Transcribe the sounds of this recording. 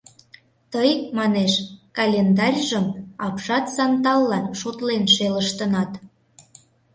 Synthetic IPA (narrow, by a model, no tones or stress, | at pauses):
t̪əjmɑneʃkɑlʲend̪ɑrʲʒəmɑpʃɑt̪sɑnt̪ɑlːɑnʃot̪lenʃeləʃt̪ənɑt̪